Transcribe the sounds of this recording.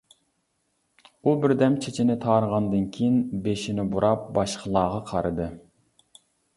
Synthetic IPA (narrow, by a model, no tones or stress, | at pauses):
ubɪɾd̪ɛmt͡ʃʰet͡ʃʰinɪt̪ʰɑːɾəʁɑnd̪ɨnkʲʰijinbeʃinɪbuɾʔɑp̚bɑʃqʰəlˠɑːʁɑqʰɑɾɨd̪ɨ